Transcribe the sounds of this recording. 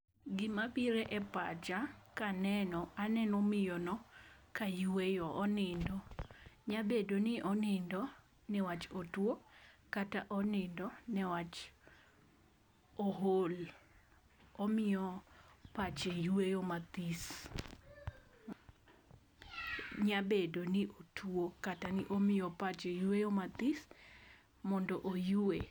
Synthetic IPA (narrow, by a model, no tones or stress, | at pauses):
ɡɪmapiɾeʔɛpat͡ʃakanɛnɔanɛnɔmɪjɔnɔkajwejɔʔːnɪndɔɲabedonɪʔɔnɪndɔ | nɛwat͡ʃotwokataʔɔnɪndɔnɛwat͡ʃ | oɦol | ɔmɪɔpat͡ʃejuejomat̪is | ɲabedonɪʔotʰwokatanɪʔomɪjɔpat͡ʃejuejomat̪is | mɔndɔʔojue